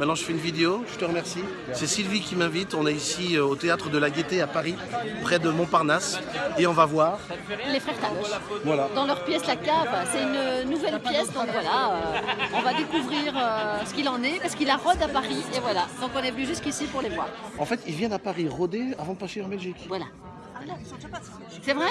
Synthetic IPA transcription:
mɛt̪nɑ̃ʒəfɛynvid̪eoʒ̥ət̪əʁəmɛʁsi | sɛsilvikʲimɛ̃vit̪ɔ̃nɛisiøot̪eat̪χəd̪əlaɡʲet̪eapaʁi | pχɛd̪əmɔ̃paʁnaseɔ̃vavwaːʁ | lefχɛʁt̪avwalad̪ɑ̃lœʁpjɛslakavsɛt̪ynønuvɛlpjɛsd̪ɔ̃kvwalaøɔ̃vad̪ekuvʁiʁøsə̥kilɑ̃nɛpaʁsə̥kilaʁɔd̪apaʁievwalad̪ɔ̃kɔ̃nɛvənyʒyskisipuʁlevwa̰ːʁɑ̃fɛt̪ilvjɛ̃d̪apaʁiʁɔd̪eavɑ̃d̪əpaʃeɑ̃bɛlʒikvwala̰ | vwala | sɛvʁɛ

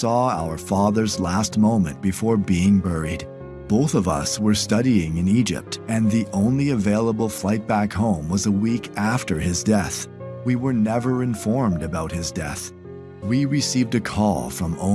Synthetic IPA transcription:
sɔaʊə˞fɑðə˞zlæst̚mõʊ̃mɨ̰̃nb̥ɨfɔɹbiɪ̃ŋbɜ˞id̥̚ | b̥oʊθʌvʌ̰swə˞stʌɾiɪ̃ŋɨ̃nid͡ʒɪ̰p̚tɨ̃nðiʔõʊ̃nliɨveɪlˠəbl̩ˠflaɪt̚b̥ækhõʊ̃mwʌzəwikʰæftə˞ɪzdɛθ | wiwə˞nɛvə˞ɨ̃ɱfɔɹmdɨbaʊt̚hɨzdɛ̰θ | wiɹɨsivdɨkʰɔ̰lˠfɹʌ̃mõ̰ʊ̃

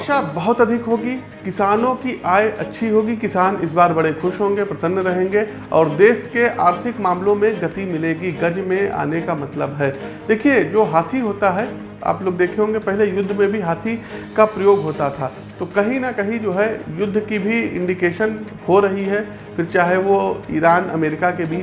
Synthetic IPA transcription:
ʃabɐɦʊt̪ɐd̪ʱɪkɦoːɡiː | kɪsaːnõkiʔaːjʔɐ̰tːʃʰiɦoːɡikɪsaːnɪs̬baːɾbɐɽexʊʃɦõːŋɡepɾɐsənːɾɐɦẽːŋɡe | ɔ̰ːɾd̪eːʃkeʔaːɾt̪ʰɪkmãːmlõmẽɡɐt̪imɪleːɡiɡɐd͡ʒmẽʔa̰ːnekamɐt̪ləbɦɛːd̪̥eːkʰied͡ʒoːɦaːt̪ʰiɦoːt̪aɦɛ | a̰ːploːɡd̪eːkʰeɦõːŋɡepɛɦlejʊd̪ʱːmẽbʱiɦaːt̪ʰikapɾɐjoːɡɦoːt̪at̪ʰaː | t̪oːkɐɦĩnɐkɐɦĩd͡ʒoːɦɛjʊd̪ʱːkibʱiɪ̰̃ɳɖikeːʃən | hoɾɐɦiɦɛ | fɪɾt͡ʃaːɦeʋoiːɾaːnɐ̰meːɾɪkakebiː

